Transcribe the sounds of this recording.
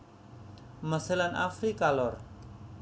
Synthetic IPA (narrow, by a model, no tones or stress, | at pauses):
məselanʔa̰fɾikalɔr